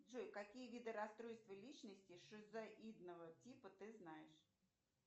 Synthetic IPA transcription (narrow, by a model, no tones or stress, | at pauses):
ʐujkɐkʲijəvʲid̪ɨɾɐst̪ɾojst̪vəlʲit͡ɕnəsʲtʲɪʂɨzaʔid̪nəvətʲipət̪ɨznajɪʂ